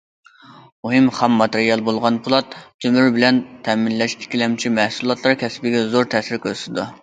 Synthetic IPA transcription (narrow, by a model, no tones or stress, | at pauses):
muɦɨmχæmːɑt̪eɾijɑlˠbolˠʁɑnpʰulˠɑt̪̚t̪ʰømyɾbɪlɛnt̪ʰɛminlɛʃʰi̥kʲilɛmt͡ʃʰimɛhsulˠɑt̪ʰlˠɑɾkʲɛsbɪɡʲɛzoɾt̪ʰɛsɪɾkʲʰøɾsɪt̪ɪd̪u